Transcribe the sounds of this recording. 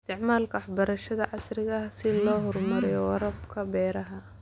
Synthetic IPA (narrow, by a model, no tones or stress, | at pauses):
ɪst̪ʰɪʕmaːlkʰɐwħbɐɾɐʃɐðɐʕɑsrɪɣɐsɪlɔːɦɔrmɐɾɪjɔwɑɾɐbkʰɐbɛːɾɐɦɐ